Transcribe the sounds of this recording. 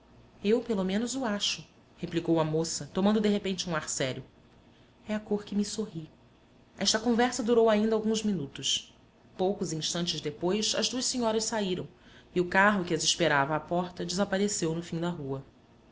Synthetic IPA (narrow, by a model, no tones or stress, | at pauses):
ewpelomẽnʊzʊaʃʊ | heplikowɐmosɐt̪omɐ̃nd̪ʊd̪eɦepẽnt͡ʃɪũaɾsɛɾjʊ | ɛakoχkɪmisoɦi | ɛʃt̪ɐkõvɛɾsɐd̪uɾowaĩnd̪ɐawɡũzminut̪ʊs | powkʊzĩʃt̪ɐ̃nt͡ʃɪzd̪epojsɐzd̪uɐʃseɲɔɾɐʃsaiɾɐ̃w̃ | iʊkaɦʊkɪɐziʃpeɾavɐːpɔχt̪ɐd͡ʒɪzapaɾesewnʊfĩd̪ɐɦuɐ